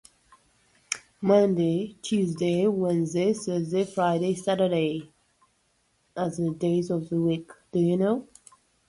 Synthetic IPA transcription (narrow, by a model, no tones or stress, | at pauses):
mʌ̃ndetʰʉzdeɪwɛ̃nzdeɪsəzdefɹaɪɾeɪsaɾəɾeɪ | ʔəzðədeɪzɔvðəwikd̥ɨjunoʊ